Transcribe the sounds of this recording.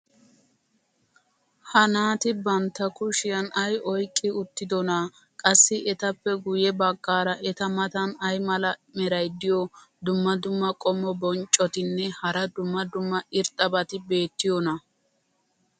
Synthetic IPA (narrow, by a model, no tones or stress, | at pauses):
hɐnaːt̪ɪbɐnt̪ːɐkʊʃɪjɐnɐjʔɔjkʼːɪʊt̪ːɪd̪ɔna | kʼɐsːɪʔɛt̪ɐpːɛɡʊjɛbɐɡːaːɾɐʔɛt̪ɐmɐt̪ɐnɐjmɐlɐmɛɾɐjd̪ɪjɔ | d̪ʊmːɐd̪ʊmːɐkʼɔmːɔbɔnt͡ʃʼːɔt̪ɪnːɛhɐɾɐd̪ʊmːɐd̪ʊmːɐɪɾt̪ʼɐbɐt̪ɪbe̞ːt̪ːɪjɔnɐ